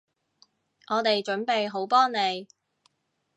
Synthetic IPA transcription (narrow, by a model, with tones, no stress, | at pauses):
ʔɔː˨˧t̪e˨jt͡ʃɵ˨˥npe˨jɦo˨˥wpɔː˥ŋne˨˧j